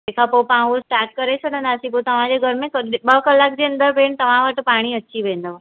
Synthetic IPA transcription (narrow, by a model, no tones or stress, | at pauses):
ekʰapopãɦusʈaːɾʈ̚kəɾesʰəɽə̃nd̪aːsĩp̬ot̪əʋ̤ãd͡ʑeɡʱəɾmẽkɓəɦkəlak̚d͡ʑeə̃nd̪əɾbeːɳt̪əʋ̤ãʋaʈpaːɽ̃iətːʃʰiʋẽnd̪o